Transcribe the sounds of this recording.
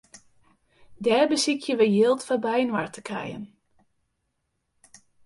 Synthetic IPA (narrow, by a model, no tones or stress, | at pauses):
dɛːrbəsikʰjəʋəjɪlˠtfabɛjnwartʰə̥kʰɛ̰jə̰n